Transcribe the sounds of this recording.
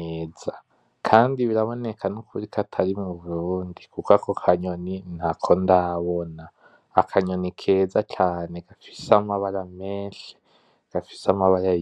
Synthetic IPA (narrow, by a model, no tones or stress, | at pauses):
eza | kʰaːndiβiɾaβo̞nekʰanukʰuɾikʰatʰaɾimuβuɾuːndikukwakokʰaɲoninakʰo̞ndaβonaː | kʰaɲonikʰeːzat͡ʃaːneɡ̥afi̥samaβaɾameːnʃe̥ | ɡ̥afi̥samaβaɾa